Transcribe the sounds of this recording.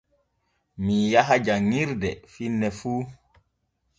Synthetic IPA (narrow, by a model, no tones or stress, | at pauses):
mijaɦad͡ʒaŋiɾdɛfinːɛfuː